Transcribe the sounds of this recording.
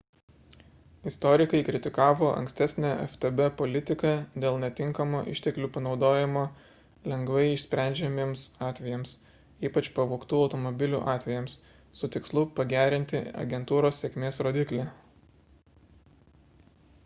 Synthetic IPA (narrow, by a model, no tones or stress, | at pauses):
ɪst̪ɔɾʲɪkɐɪkɾʲɪt̪ʲɪkɑːʋoːʔɐ̰̃ŋksʲt̪ʲæsʲnʲɛɛ̰ft̪ɛbɛpɔlʲɪt̪ʲɪkɑd̪ʲeːlˠnʲɛt̪ʲɪŋkɐmoːʔɪ̰ʃʲt̪ʲɛklʲuːpɐnɒʊd̪oːjɪmoː | lʲɛŋɡʋɐɪɪʃsʲpʲɾʲæˑnʲd͡ʒʲɛmʲeːmsɑːt̪ʲʋʲɛjɛms | iːpɐt͡ʃpɐʋoːkt̪uːɒʊt̪ɔmɔbʲɪlʲuːʔɑːt̪ʲʋʲɛjɛmsː | ʊt̪ʲɪkslˠʊpɐɡʲæːɾʲɪnʲt̪ʲɪɐ̰ɡʲɛnt̪uːɾoːsːʲɛkʲmʲeːsɾoːd̪ʲɪklʲɛ